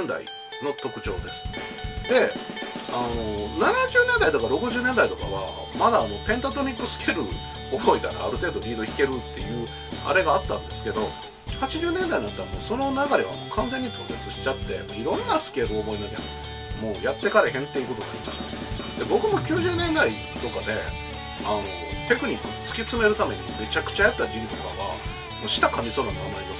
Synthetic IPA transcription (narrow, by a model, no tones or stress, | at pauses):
nd̪a̰ḭ | no̞t̪o̞kɯ̟̥t͡ɕo̞̰ːd̪e̞sɨ̥ | d̪̥e̞ | ano̞nanaʑɨːnẽ̞nd̪ait̪o̞kaɾo̞kɯ̟ʑɨːnend̪ait̪o̞ka̰βa̰ | mad̪aːno̞pẽ̞nt̪ot̪oɲʲikːɯsɨ̥kʲe̞ɾɯ̟ | obo̞it̪aɾa̰ːɾɯ̟t̪e̞ːd̪o̞ɾʲiːd̪oçi̥ke̞ɾɯ̟t̪ːe̞̰jɯ̟ː | a̰ɾe̞ɡaːt̪ːãnd̪e̞sɨ̥ke̞d̪o̞ | hat͡ɕiʑɨːnẽ̞nd̪ainat̪ːaɾamoːso̞no̞naɡaɾʲeβ̞a̰mo̰ːkʰãnzẽ̞ɲ̟ːit̪ʰo̞ːset͡sɨɕi̥t͡ɕat̪ːe̞̰ | iɾõ̞nːasɨ̥ke̞ɾɯ̟oːbo̞inoɡʲa̰n | mo̞ːjat̪ːe̞kaɾehẽ̞nt̪ːeikot̪oɡaːɾʲima̰ɕi̥t̪a | d̪ebo̞kɯ̟mo̞kʲɨːʑɨːnẽ̞nd̪ai | t̪o̞kad̪e̞ | ano̞̰t̪e̞kɯ̟ɲ̟ikːɯ̟t͡sɨ̥kʲit͡sɨme̞ɾɯ̟t̪ame̞̰ɲ̟ḭme̞t͡ɕakɯ̟̥t͡ɕajat̪ːad͡ʑiɾʲit̪oka̰βa̰ | moɕi̥t̪akamʲisoːnamoana̰id̪es